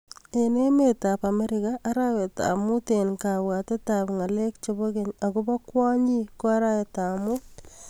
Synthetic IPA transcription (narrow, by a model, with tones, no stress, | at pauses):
ene˦metapa˨me˦ɾɪkaʔːɾawe˨ta̰mʊ˦tenka˨wate˦ta˨pŋa˨le˦kt͡ʃobo˦ke˨ɲa˨kʊba˦kwɔ˦ɲi˦ko˦a˦ɾa˦we˨tamʊt